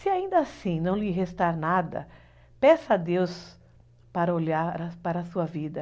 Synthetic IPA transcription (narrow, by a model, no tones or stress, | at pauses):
sɪaĩnd̪ɐasĩnɐ̃w̃lɪɦest̪aɾnad̪ɐ̰ | pɛsɐad̪ews | paɾɐolaɾɾɐpaɾɐːsuɐvid̪ɐ